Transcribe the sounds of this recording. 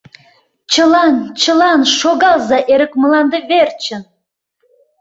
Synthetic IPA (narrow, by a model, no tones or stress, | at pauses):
t͡ɕə̆lɑnt͡ɕə̆lɑnʃoɣɑlˠzɑʔeɾə̆kmə̆lɑnd̪əβert͡ɕə̆n